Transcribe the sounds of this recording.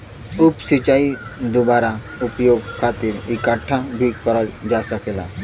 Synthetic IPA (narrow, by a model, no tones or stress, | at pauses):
upsit͡ɕaid̪ubaɾa | upjoɡkʰat̪iːɾikaʈʰːabʱikəɾəld͡ʒasəkela̰